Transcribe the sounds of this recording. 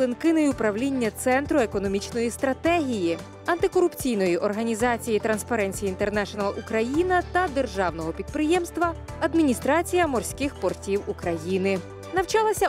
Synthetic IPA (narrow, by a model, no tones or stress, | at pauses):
ɪnkɪnɔjʊpɾɐwlʲinʲːɐt̪sɛnt̪ɾʊekɔnɔmʲit͡ʃnɔjist̪ɾɐt̪ɛɦʲiji | ɐnt̪ɪkɔɾʊpt͡sʲijnɔjiʔɔrɦɐnʲizɑt͡sʲijit̪ɾɐnspɐɾɛnʲt͡sʲijint̪ernɛʃɔnɐlˠʔukɾɐjinɐt̪ɐd̪erʒɑwnɔɦɔpʲid̪̚pɾɪjɛmst̪ʋɐɐd̪mʲinʲist̪ɾɑt͡sʲijɐmɔrsʲkɪxpɔrtʲiwukɾɐjinɪ | nɐwt͡ʃɑlˠɐsʲɐ